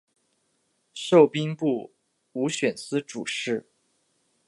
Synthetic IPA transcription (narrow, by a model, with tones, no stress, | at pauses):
ʂo˥˩ʊpi˥ŋpu˥˩ | u˧˥ɕɥɛ˨˩nsɹ̩˥ʈ͡ʂṵ˨˩ʂɻ̩˥˩